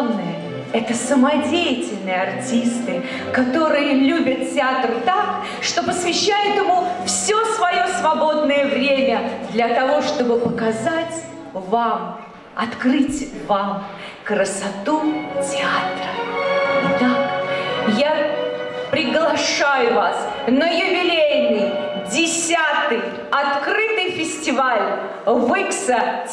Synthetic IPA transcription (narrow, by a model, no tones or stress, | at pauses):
vnɨjə | ɛt̪əsəmɐdʲejɪtʲɪlʲnɨjəartʲist̪ɨ | kɐt̪o̞ɾɨjəlʲubʲət̪̚tʲɪat̪rɨt̪ak | ʂt̪o̞pəsvʲɪɕːæjʊt̪ɪmufsʲo̞svɐjo̞svɐbo̞d̪nəjəvɾʲemʲəd̪lʲɐt̪ɐvo̞ʂt̪o̞bɨpəkɐzatʲ | vam | ɐt̪krɨtʲvam | kɾəsɐt̪utʲɪat̪ɾə | d̪a | ja | pɾʲɪɡlˠɐʂajʊvas | nəjʊbʲɪlʲedʲnʲɪj | dʲɪsʲat̪ɨj | ɐt̪kɾɨt̪ɨjfʲɪsʲtʲɪvalʲ | vɨksə